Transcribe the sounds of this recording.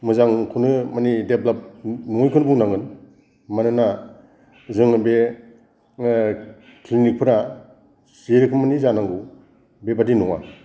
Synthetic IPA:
mɯzaŋkʰunɯmanideblap̚nɔŋjkʰɯnbuŋnaŋɯn | manɯna | zɯŋɯbe | klinik̚pʰɯɾa | siɾɯkʰɯmanizanaŋɡu | bebadinuŋa̰

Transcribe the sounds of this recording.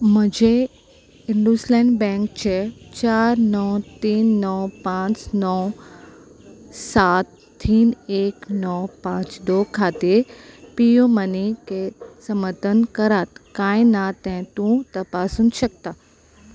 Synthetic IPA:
mʊ̃d͡ʑe | ɪ̃nɖuslɛ̃ːɳɖbɛ̃ːŋk̚t͡ɕʰet͡ɕaːɾnɔːt̪iːnːɔpãːt͡ʃnɔː | saːt̪ː | iːneːknɔpãːt͡ɕd̪oːkʰaːt̪epijomɐnikesɐməɾt̪ənkɐɾaːt̪kãːĩnat̪ɐ̃ɦɪ̃t̪ũt̪ɐpaːsunʃɐk̚t̪aː

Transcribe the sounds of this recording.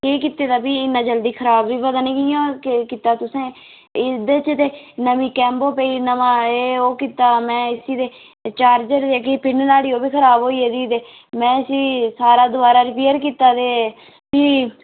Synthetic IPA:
keːk̬iːt̪eːd̪aːpiːɪnːãːd͡ʒəld̪iːkʰəɾaːbːiːbəd̪aːnĩːkiãːkiːt̪aːt̪ʊsẽː | ɪd̪et͡ʃt̪eːnəmiːkɛ̃ːmboːpəːiːnəmãːeːoːkiːt̪aːmɛ̃ːɪsiːd̪eː | t͡ʃaːɾd͡ʒəɾd̪eːkʰepɪnnaːɽiːoːbiːkʰəɾaːbɦoːiːeːd̪iːt̪eː | mɛ̃ːəsiːsaːɾaːd̪ʊbaːɾaːɾɪpeːəɾkiːt̪aːt̪eː | piː

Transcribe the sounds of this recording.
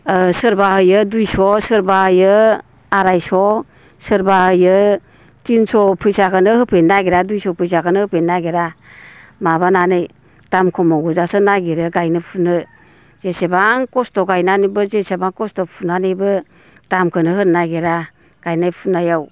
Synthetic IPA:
sɯɾbahɯjɯdujsɔsɯɾbahɯjɯ | aɾajsɔ | sɯɾbahɯjɯ | tinsɔpʰɯjsakʰɯnɯhɯpʰenːaɡeɾadujsɔpʰɯjsakʰɯnɯhɯpʰenːaɡeɾa | maβananɯj | tamkʰɔmɔɡɔzasɯnaɡeɾɯɡajnɯpʰunɯ | z̥esebaŋkɔstɔɡajnanibɯzesebaŋkɔstɔpʰunanɯbɯ | tamkʰɯnɯhɯɾnaɡeɾa | ɡ̥ajnajpʰunajaw

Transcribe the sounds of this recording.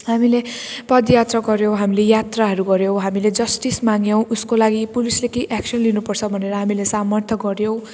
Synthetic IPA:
hamilepʌd̪jat̪raɡʌɾjowɦamilejat̪raɦʌɾuɡʌɾjow̃ɦamiled͡zʌsʈismaŋjʌw̃uskolaɡipulislekejʔaksʌnlinupʌrt͡sʰʌbʱʌneɾʌɦamilesamʌrt̪ʰʌɡʌɾjow̃

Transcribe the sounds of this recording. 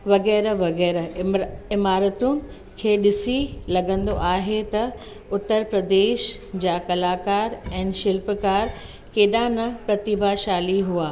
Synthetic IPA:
ʋɐɣɛːɾʋɐɣɛːɾ | ɪmaːɾət̪unɪ̆ | kʰeːɗɪsilɐɡə̃nd̪oʔaːɦet̪ɐ | ʊt̪ːəɾpɾɐd̪eːʃd͡ʑaːkɐlaːkaːɾɛ̃ːnʃɪlpkaːɾ | keːɗãnɐpɾɐt̪ɪbʱaʃaːliɦuaː

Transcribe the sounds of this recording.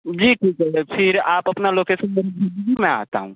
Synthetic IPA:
d͡ʒiːʈʰiːkɦɛepʰɪɾaːpɐpnaloːkesənməɾibʱidbimɛ̃a̰ːt̪a̰ɦṵ̃

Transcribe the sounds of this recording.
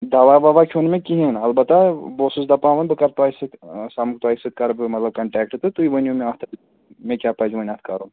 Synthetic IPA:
d̪ɐʋaʋɐʋakʲʰonmẽkiɦĩnɐlbɐt̪aboːsus̬d̪ɐpaːʋɐnbɨkɐɾt̪aːisɨt̪samuk̚t̪uaːisɨt̪̚kɐɾbɨmɐt̪lɐb̚kɐɳʈɛːk̚ʈɨt̪ɨt̪uiʋɐnʲumẽaːht̪ʰɐt̪ɨ | mẽkʲaːpɐd͡ʒuʋɐnʲat̪ʰkɐɾum

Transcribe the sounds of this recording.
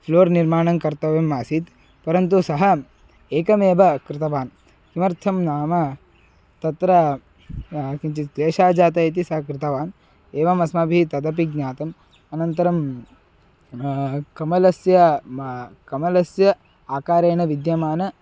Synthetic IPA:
ploːɾniɾmaːɳɐŋkɐɾt̪ɐʋeːmːaːsit̪ | pɐɾɐnt̪usɐɦɐ | eːkɐmeːʋɐkɾɪt̪ɐʋaːn | kimɐɾt̪ʰɐmnaːmɐ | t̪ɐt̪ɾɐ | kint͡ʃit̪d̪eːʃaːd͡ʒaːt̪ɐjit̪̬isɐɦɐkɾɪt̪ɐʋaːn | eːʋɐmɐsmabʱit̪ɐd̪ɐp̬iɡɲaːt̪ɐm | ɐnɐnt̪ɐɾɐm | kɐmɐlɐsjɐ | kɐmɐlɐsjɐ | aːkaːɾeːɳɐʋid̪jɐmaːnɐ

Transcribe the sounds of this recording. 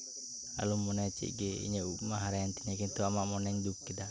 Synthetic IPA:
a̰lumːɔnat͡ʃḭʔɡeḭɲaukmaɦaɾaant̪inakint̪uamaʔmɔnɛŋdukːid̪a

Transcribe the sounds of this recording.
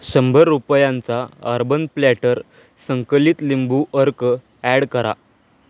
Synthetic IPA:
ɕəmbʱəɾːupjãnt͡saəɾbənplæʈəɾ | səŋkəliːt̪limbuʔəɾk | æɽkəɾa̰

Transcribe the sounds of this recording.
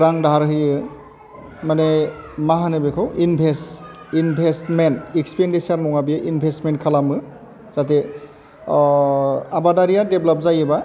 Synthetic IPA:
ɾaŋdaɦaɾɦɯjɯ | manemaɦanɯbekʰawinbʱes | inbʱestmentikspendisaɾnɔŋabijʔinbʱestmenkʰalamɯ | z̥at̬e | abadaɾijadeblap̚zajɯba

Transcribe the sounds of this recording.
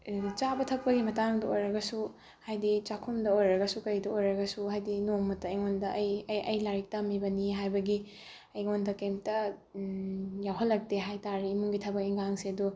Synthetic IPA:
t͡ʃabɐtʰɐk̚pɐɡimɐtaŋdɐojɾɐɡɐsu | hajdit͡ʃakʰumdɐojɾɐɡɐsukɐjdɐojɾɐɡɐsuɦajdinoŋmɐtɐiŋondɐʔɐjjɐjlaɾik̚tɐmibɐniɦajbɐɡi | ɐjŋondɐkemtɐ | jawɦɐlːɐk̚teɦajtaɾiːmuŋɡitʰɐbɐkiŋɡaŋsiɐdu

